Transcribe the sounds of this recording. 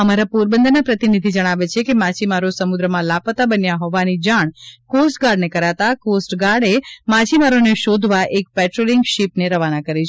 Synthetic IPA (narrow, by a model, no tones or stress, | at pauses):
əmaɾapuɾbənd̪ənapɾət̪inid̪ʱid͡ʒəɽ̃aʋet͡ʃʰekemat͡ʃimaɾosəmud̪ɾəmãlapət̪abənjaɦɔʋanid͡ʒaɳ̃kosʈɡaɾɖnekəɾat̪akosʈɡaɽemat͡ʃimaɾoneʃod̪ʱʋaʔek̚pɛʈɾoliŋɡʃipneɾəʋanakəɾit͡ʃʰ